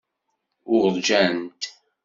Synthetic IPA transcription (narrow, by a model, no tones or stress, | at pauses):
ʊɾðˤd͡ʒænt̪